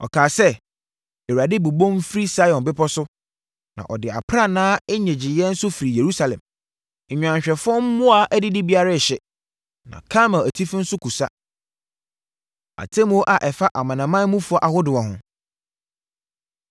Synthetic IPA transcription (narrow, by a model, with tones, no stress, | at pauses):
ɔ̰˨kʰaː˨sɛ˦ | e˨wa˨dɪ˦bu˨bõ˦m˦fɾi˦sa˦jɔ̃˨nbɪ˦pɔ˦sʊ˦ | nã̰˨ʔɔ˨dɪ˨a̰˨pʰɾa˦nãː˦ɛ˦ɲɛ̃˨d͡ʑɪ˨jɛ˦n̩˦sʊ˦fi˨ɾi˨je˨ɾu˦sa˨lɛ̰̃˨m̩˨ | ɲᶣ˨ã˨ɲ˨ɕᶣɾɛ˨fʊ˦ɔ˦m̩˦mʊ̃˦a˨ʔæ˦dɪ˦dɪ˦bi˦a˦ɾa˦˨ɕɛ˨ | nã̰˨kʰã˦mã˨æ˨tʰi˦fɪ˦n̩˦sʊ˦kʰu˨sa˦ | a̰˨tʰẽ˦m˦o˦ʔa˨ʔɛ˨fa˦ʔa˨mã˨nã˨mã˦mũ˦fʊ˨˦ɔ˦ʔa˨hʊ˦dɪ˨ɔ˨ɦʊ̰̃˨